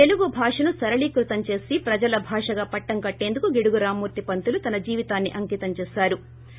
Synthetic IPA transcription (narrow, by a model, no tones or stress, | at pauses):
t̪e̞luɡubʱaːʂɐnusɐɾɐɭikɾut̪ɐmt͡ʃe̞ːsipɾɐd͡ʒɐlɐbʱaːʂɐɡaːpɐʈːɐŋkɐʈːe̞ːnd̪ukuɡiɽuɡuɾaːmːuːɾt̪ipɐnt̪ulut̪ɐnɐd͡ʒiːʋit̪aːnːiʔɐŋkiːt̪ɐmt͡ʃɛːsaːɾu